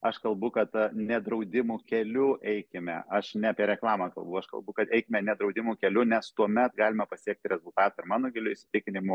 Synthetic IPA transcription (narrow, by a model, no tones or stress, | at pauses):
ɐʃkɐlˠbʊkɐt̪nʲɛd̪ɾɐʊd̪ʲɪmuːkʲɛlʲʊʔɛɪkʲɪmʲɛ̰ɐʃnʲɛɐpʲiɛɾʲɛklˠɑːmɑkɐlˠbɐʊɐʃkɐ̰lˠbʊkɐt̪ɛɪkʲɪmʲɛnʲɛd̪ɾɐʊd̪ʲɪmuːkʲɛlʲʊnʲɛst̪uɔmʲɛt̪ɡɑːlʲɪmɐpɐsʲiɛk̚t̪ʲɾʲɛzʊlˠt̪ɑːt̪ɐɪɾmɑːnoːɡʲɪlʲʊɪʃʲsʲɪ̥t̪ʲɪkʲɪnʲɪmo